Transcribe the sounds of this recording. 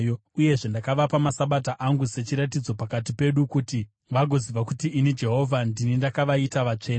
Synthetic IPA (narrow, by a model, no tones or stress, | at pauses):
jouje̞ʐe̞ndakaʋapamasaɓat̬aʔaŋɡuse̞t͡ʃiɾatid͡zo̞pakat̬ipe̞ɗukuti | ʋaɡʱo̞ziʋakutiinid͡ʒe̞ɦo̞ːvʱandinindakaʋaitaʋat͡ʂe̞ːna